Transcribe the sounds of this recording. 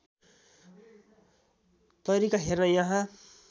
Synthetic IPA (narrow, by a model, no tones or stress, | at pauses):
t̪ʌɾikaɦernʌjʌɦã